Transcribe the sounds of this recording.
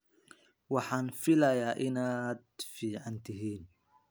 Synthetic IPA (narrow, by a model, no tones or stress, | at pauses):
wɑħaːnfɪlɐjaːʔɪnaːd̪̚fiːʕant̪ɪɦiːn